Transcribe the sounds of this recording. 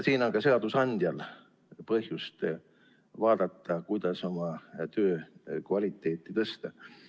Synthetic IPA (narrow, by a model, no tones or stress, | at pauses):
siːno̞ŋkɑse̞ɑd̪usɑnʲd̪̥ʲjɑl | pɤɦjust̪ | vɑːd̪̥ɑt̪ːɑkujd̪̥ɑso̞mɑt̪øːkvɑlʲit̪ːˑe̞ːt̪ˑːit̪ɤst̪ɑ